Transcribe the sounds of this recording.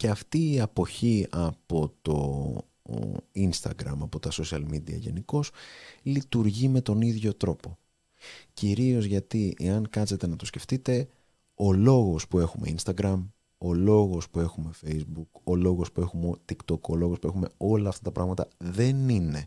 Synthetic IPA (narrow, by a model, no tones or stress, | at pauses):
ceɐft̪iːɐpo̞çiɐpo̞t̪o̞̰ | inst̪ɐ̰ɡɾɐmɐpo̞t̪ɐso̞siɐlmid̪iɐ̰ʝe̞̰niko̞slit̪uɾʝime̞t̪o̞niðʝo̞t̪ɾo̞po̞ | ciɾio̞zʝɐt̪ieɐŋkɐse̞t̪e̞nɐt̪osce̞ft̪it̪e̞ | o̞lo̞ɣo̞spue̞xume̞inst̪ɐɡɾɐm | o̞lo̞ɣo̞spue̞xume̞fe̞jzbuko̞lo̞ɣo̞spue̞xumot̪ikt̪o̞ko̞lo̞ɣo̞spue̞xume̞o̞lɐːft̪ɐt̪ɐpɾɐɣmɐt̪ɐ̰ðe̞nine